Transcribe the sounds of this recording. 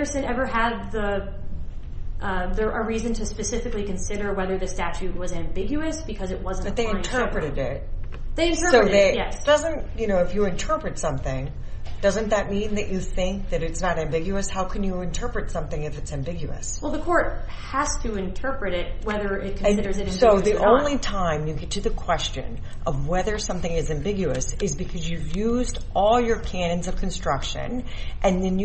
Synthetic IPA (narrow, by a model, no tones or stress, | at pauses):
ə˞sɨ̃nɛvə˞ɨd̪̚ðə | ʔʌðə˞ʔəɹizɨ̃ntʰɨspɨsɪfɨklikɨ̃nsɪɾə˞wɛðə˞ðɨstæt͡ʃʉt̚wʌzæ̃mbɪɡjʉɨsb̥ɨkʰʌzɨʔ̚wʌznbʌðeɪɨ̃ntʰɜ˞pɹɨɾɨɾɪt̚ðeɪɨ̃ntʰɜ˞soʊðeɪjɛsd̥ʌzɨ̃ntjɨnoʊɨfjɨɨ̃ntʰɜ˞pɹɨtsʌ̃mθɪ̃ŋ | d̥ʌzɨ̃nðɨt̚mĩnðɨt͡ʃɨθɪ̃ŋk̚ðɨɾɨtsnɨɾæ̃mbɪɡjʉɨshaʊkʰɨ̃njɨɨ̃ntʰɜ˞pɹɨtsʌ̃mθɪ̃ŋɨfɨtsæ̃mbɪɡjʉɨ̰swɛlˠðəkʰɔɹt̚ | hæstʰɨɪ̃ntʰɜ˞pɹɨɾɪt̚wɛðə˞ɪt̚kʰnɨ̃nsɪɾə˞zɨ̃nɨ̃soʊðiʔõʊ̃nlitʰãɪ̃mjɨɡɛtʰɨðɨkʰw̥ɛst͡ʃɨ̰̃n | ʔʌvwɛðə˞sʌ̃mθɪ̃ŋɨzæ̃mbɪɡjʉɨsɨzbɨkʰʌzjɨjʉzdʔɔlˠjə˞kʰæ̃nɨ̃nzʌv̥kʰn̩stɹ̥ʌkʃɨ̰̃n | ʔɨ̃nðɨ̃nj